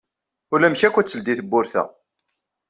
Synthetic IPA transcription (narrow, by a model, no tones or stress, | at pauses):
ʊlæmçækʷːæt͡sːəld̪iθəbːʊɾθæ̰